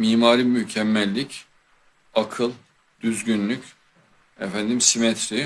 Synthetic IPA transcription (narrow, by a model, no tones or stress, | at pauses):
miːmaːɾimycʰɛmːɛlʲːic | akʰɯlˠ | d̪̥yzɟynlʲycʲ | ɛfænd̪imsimɛt̪ʰɾi